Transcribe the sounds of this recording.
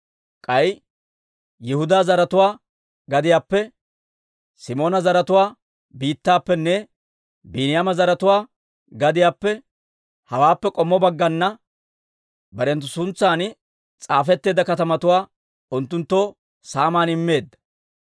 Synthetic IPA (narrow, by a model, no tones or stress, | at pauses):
kʼɐj | jɛhʊd̪aːzɐɾɐt̪ʊwaː | ɡɐd̪ɪjaːpːɛ | sɪmo̞ːnɐzɐɾɐt̪ʊwaː | biːt̪ːaːpːɛnːɛ | biːnɪjaːmɐzɐɾɐt̪ʊwaː | ɡɐd̪ɪjaːpːɛ | hɐwaːpːɛkʼɔmːɔbɐɡːɐnːɐ | bɐɾɛnt̪ːʊsʊnt͡sːaːn | t͡sʼaːfɛt̪ːeːd̪ɐkɐt̪ɐmɐt̪ʊwaː | ʊnt̪ːʊnt̪ːo | saːmaːnɪmːe̞ːd̪ːɐ̥